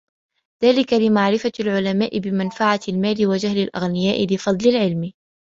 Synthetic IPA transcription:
ð̥aːlɪkalɪmaʕɾɪfalʕʊlamaːʔɪbɪmanfaʕalmaːlɪwad͡ʒahlɪlʔa̰ɣnɪjaːʔɪlɪfɑd̪ˤlɪlʕɪlm

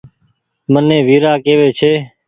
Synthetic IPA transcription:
mənẽːʋiːɾaːkeːʋeːt͡ʃʰeː

